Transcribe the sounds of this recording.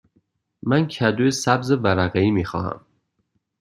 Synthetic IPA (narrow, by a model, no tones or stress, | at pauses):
mæncʰæd̪ujesæbzevæɾæɣeiːmiːxɒ̰ːhæ̰m